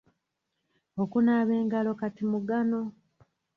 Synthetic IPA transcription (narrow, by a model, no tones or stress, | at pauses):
okunaːβeːŋɡalo̞katimuɡano̞